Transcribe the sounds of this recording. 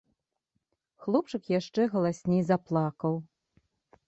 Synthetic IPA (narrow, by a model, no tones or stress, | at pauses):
xlˠɔp̚t͡ʂɨkjaʂt͡ʂɛɣɐlˠasʲnʲejzaplˠakɐw